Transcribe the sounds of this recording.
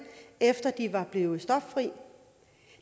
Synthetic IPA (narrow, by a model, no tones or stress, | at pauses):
efd̥ɐd̥iʋɑ̈b̥le̝ːʊsd̥ɒ̽fːʁḭː